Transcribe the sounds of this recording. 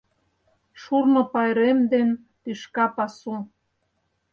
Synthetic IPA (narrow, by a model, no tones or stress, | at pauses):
ʃurnŏpɑjɾemd̪en | t̪yʃkɑpɑsu